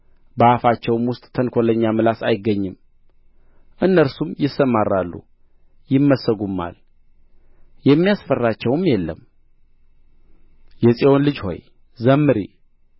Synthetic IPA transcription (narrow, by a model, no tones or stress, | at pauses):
bəafat͡ʃːɛwmwʊst̪ʼt̪ʰənkʰoləɲːamɨlasajɪɡːəɲːɨm | ʔɨnːəɾsumjɪsːəmaɾːalːṵ | jɪmːəsːəɡumːa̰l | jɛmːijasfərːat͡ʃːɛwmjɛlːə̰m | jɛsʼewonlɨd͡ʒho̞̰j | zəmːɨɾḭ